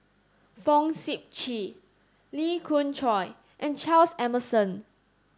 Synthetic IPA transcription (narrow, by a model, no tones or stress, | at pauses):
fɔ̃ŋsip̚t͡ʃi | likʰũnt͡ʃʰɔɪ | ʔɛ̃nt͡ʃalsɛməsə̃n